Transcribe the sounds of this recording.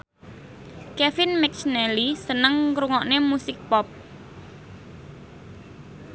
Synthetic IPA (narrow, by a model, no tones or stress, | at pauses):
kɛfɪnmɛk̚t͡ʃnɛlisənəŋkɾuŋɔʔnemusɪk̚pɔp̚